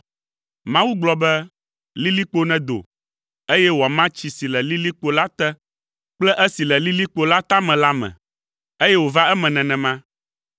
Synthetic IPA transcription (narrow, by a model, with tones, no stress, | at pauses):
mã˦wu˦ɡ͡blɔ˨bɛ˦ | li˦li˦k͡po˦nɛ̃˨d̪o̰˨ | e˦jɛ˦wo˨a˨mã˦t͡ɕi˨si˨lɛ˨li˦li˦k͡po˦la˦t̪ɛ˦ | k͡plɛ˦ʔɛ˦si˨lɛ˨li˦li˦k͡po˦la˦t̪a˦mɛ̃˨la˦mɛ̰̃˨ | e˦jɛ˦wo˨va˦ɛ˦mɛ̃˨nɛ̃˨nɛ̃˨mã˦